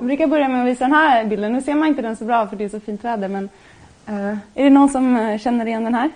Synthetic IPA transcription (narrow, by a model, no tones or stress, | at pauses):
bɾʉːkajæbœɾjamɛɔʋiːsəd̪ɛnɦæːɾbɪld̪ənːʉːseːɾmanɪnt̪əd̪ɛnsɔbɾɑːfɔɖɛæʂɔfiːnt̪ʋæːd̪əmɛn | æɖɛnuːnsɔmɕɛnːəɾɪjɛnːd̪ɛnhɦæːɾ